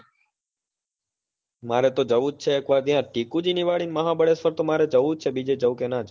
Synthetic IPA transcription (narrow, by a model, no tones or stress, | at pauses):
maɾɛt̪od͡ʒəʋut͡ʃʰeːkʋaɾd̪ijãʈikũd͡ʒiniʋaɭinməɦãbəɽespəɾt̪omaɾɛd͡ʒəʋut͡ʃʰebid͡ʒed͡ʒəʋkenad͡ʒ